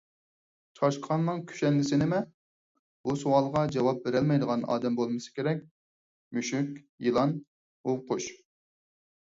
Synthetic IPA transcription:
t͡ʃʰɑʃqʰɑnnːɨŋkʲʰy̥ʃɛnlɪsɪnɪmɛ | b̥usowɑlˠʁɑd͡ʒɑwɑp̚beɾɛlmɛjd̪əʁɑnɑ̰ːd̪ɛmbolˠmɨsɨ̥kʲeɾɛk̚ʲ | myʃykʲ | jilˠɑn | oqʊʃ

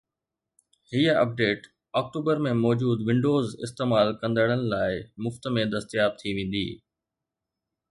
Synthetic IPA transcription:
hijəɐ̰p̚ɖeːʈ | aːk̚ʈuːbəɾmẽmɔːd͡ʑuːd̪ʋɪ̃ɳɖoːzɪ̰st̪eːmaːlkɐ̃nd̪əɽ̃ənɪ̆laːɪmʊft̪mẽd̪ɐst̪ijaːb̚t̪ʰiʋẽːn̆d̪ḭː

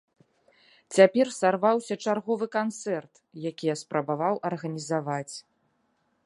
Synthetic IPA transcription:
t͡sʲapʲɛrsarvawsʲɐt͡ʂarɣɔvɨkant̪sɛrt̪ | jakʲijɐspɾɐbavawʔɐrɣɐnʲizavat͡sʲ

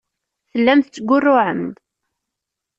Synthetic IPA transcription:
θəlːæmθt͡sːəɡʷːʊrːʊʕəmd̪

